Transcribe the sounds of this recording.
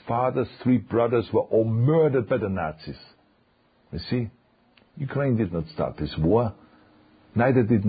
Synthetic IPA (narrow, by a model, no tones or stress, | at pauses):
fɑðə˞z̥θɹibɹʌðəzwə˞ʔɔlˠmɜ˞dəd̚baɪðənætsiz̥ | isi | jukʰɹ̥ẽɪ̃ndɨdⁿnətstɑ̰ɹt̪̚ðɪswɔɹ | naɪðə˞dɪdⁿn